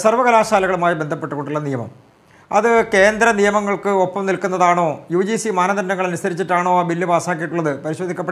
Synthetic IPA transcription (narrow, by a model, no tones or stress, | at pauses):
sɐrʋɐɣɐlaːʂaːlɐɣɐɭumaːjibe̞nd̪ʱɐpːe̞ʈːuɣo̞ɳɖuɭːɐnijɐmɐ̰m | ɐðɨke̞ːnd̪ɾɐnijɐmɐŋːɐɭkɨopːɐmnilkːunːɐðaːɳo̞ːjuːd͡ʑisimaːnɐd̪ɐɾɐnɐŋːɐɭɐnusɐɾit͡ɕːiʈːaːɳo̞ːaːbilːɨbaːsaːk̬ːijiʈːuɭːɐðɨpɐɾiɕo̞ːd̪ʱikʲːɐpːe